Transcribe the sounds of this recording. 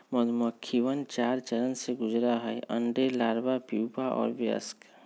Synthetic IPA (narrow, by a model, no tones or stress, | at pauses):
məd̪məkʰːiʋənt͡ʃaːɾt͡ʃəɾənseɡʊd͡ʒɾaɦəɛə̰̃ɳɖelaːɾbapiwpaʔɔ̰ːɾbjə̰sk